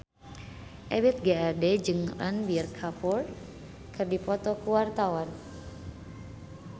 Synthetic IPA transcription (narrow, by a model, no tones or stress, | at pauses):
ʔɛbɛt̪̚ɡaːdɛd͡ʒɨŋʔa̰nbirkʰapur | kɨrdipɔt̪ɔkuwart̪awan